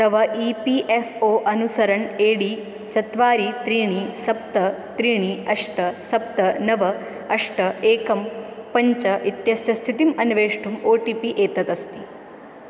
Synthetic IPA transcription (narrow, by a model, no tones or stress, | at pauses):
t̪ɐʋɐʔiːpiʔefʰoːʔɐnusɐɾɐɳeːɽiː | t͡ʃɐt̪ʋaːɾit̪ɾiːɳisɐp̚t̪ɐt̪ɾiːɳ̃iɐʂʈɐsɐp̚t̪ɐnɐʋɐ | ɐʂʈɐeːkɐmpɐɲt͡ʃɐit̪jɐsjɐst̪ʰit̪imɐnʋeːʂʈumoːʈipiʔeːt̪ɐt̪ɐst̪i